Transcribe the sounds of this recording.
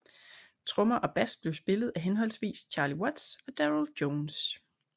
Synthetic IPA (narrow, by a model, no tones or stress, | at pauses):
t͡sʰʁɔ̽mɐʔɒ̽b̥æs̚b̥le̝ʊsb̥e̝ləð̩ˠæɦenɦɒ̽l̰sʋḭːst͡ɕʰɑ̈ːliwɒd̥sɒ̽d̥æʁld̥ɔːns